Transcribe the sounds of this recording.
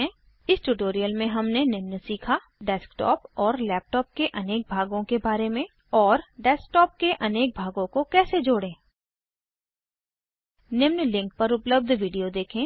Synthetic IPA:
ɛ̃ | ɪsʈʊʈoːɾijəlmẽɦɐmnenɪmnsiːkʰa | ɖɛːskʈɔ̰ːpɔːɾlɛːp̚ʈɔːp̚keʔɐneːk̚bʱaːɡõkebaːɾemẽ | ɔːɾɖɛːsk̚ʈɔːp̚keʔɐneːk̚bʱaːɡõkokɛːsed͡ʒoːɽẽː | nɪmnlɪ̃ŋk̚pɐɾʊpləb̚d̪ʱʋiːɖijod̪eːkʰẽː

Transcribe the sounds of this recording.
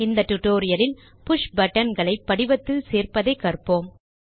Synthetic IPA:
ɪnd̪ɐʈ̪ʊʈːoːɾɪjɐɾɪn | pʊʂbɐʈːɐnɡɐɭɐɪpːɐɽɪʋɐt̪ːɪlseːrpɐðɐɪkːɐrpoːm

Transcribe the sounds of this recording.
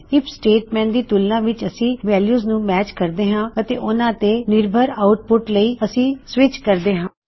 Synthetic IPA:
ɪpsʈeːʈmɛ̃ːnd̪iːt̪ʊlnãːʋɪt͡ʃəsĩːʋɛːljuːznũːmɛːt͡ʃkəɾd̪eːɦãːət̪ḛːʔʊnãːt̪eːnɪɾbʱəɾaːʊʈ̚pʊʈləiːəsĩːsʋɪt͡ʃkəɾd̪eːɦãː

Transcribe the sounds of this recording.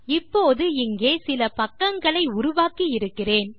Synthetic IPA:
ɪpːoːðɯɪŋɡeːsɪlɐpɐkːɐŋɡɐɭɐɪʊɾʊʋaːkijɪɾɯkːɪreːn

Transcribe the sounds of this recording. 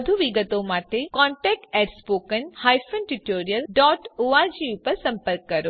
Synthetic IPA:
d̪ʱuʋiɡət̪omaːʈekɔ̃ːɳʈɛːk̚ʈɛːʈspoːkənhaːjfʰənʈuʈoːɾijəlɖɔːʈoːad͡ʑĩːʊpəɾsɐ̃mpəɾkːɐɾoː

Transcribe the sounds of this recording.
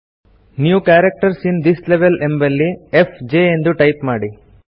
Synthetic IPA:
niːʋukaːɾɐk̚ʈɐɾsind̪isleʋelʔembɐlːiefd͡ʒeːend̪uʈɐjpmaːɽi

